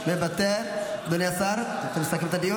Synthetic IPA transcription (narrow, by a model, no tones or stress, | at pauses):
mebat̪eɾd̪onjasaɾ | t̪emsakimt̪ad̪iju